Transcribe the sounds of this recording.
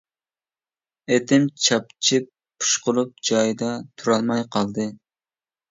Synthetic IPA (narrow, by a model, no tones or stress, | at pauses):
et̪ɪmt͡ʃʰɑp̚t͡ʃʰip | pʰːu̥ʃqʊlˠup̚d͡ʒɑjd̪ɑt̪ʰuɾɑlˠmɑjqʰɑlˠd̪ɨ